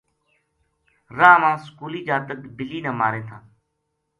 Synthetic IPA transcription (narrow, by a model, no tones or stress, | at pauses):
ɾaːmãːskuːliːd͡ʒaːt̪əkbɪliːnəːmaːɾẽːt̪ʰãː